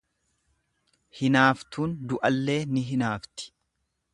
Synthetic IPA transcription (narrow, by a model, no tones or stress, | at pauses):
hɪnaːft̪uːnd̪ʊʔɐlːe̞ːnɪɦɪnaːft̪ɪ̥